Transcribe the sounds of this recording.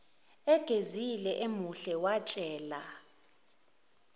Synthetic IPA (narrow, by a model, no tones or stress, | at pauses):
ɛɡ̥ʱezilɛʔemuɬɛwat͡ʃʼɛːla